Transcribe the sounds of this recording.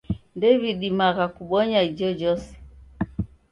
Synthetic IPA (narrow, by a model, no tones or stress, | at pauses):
ndɛβiɗimaɣakuɓɔɲaid͡ʒɔd͡ʒɔsɛ̥